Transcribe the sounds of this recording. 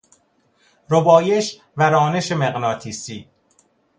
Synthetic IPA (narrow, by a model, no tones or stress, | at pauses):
ɾobɒːje̞ʃ | væɾɒːne̞ʃemeɣnɒːt̪ʰiːsiː